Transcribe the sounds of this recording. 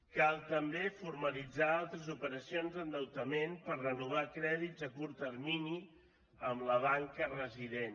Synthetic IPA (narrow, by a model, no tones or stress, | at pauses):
kalˠt̪əmbefuɾməlid͡zaalˠt̪ɾəzupəɾəsionzənd̪əwt̪əmenpərrənuβ̞akɾɛðid͡zəkuɾt̪ərmini | əmləβaŋkərəziðen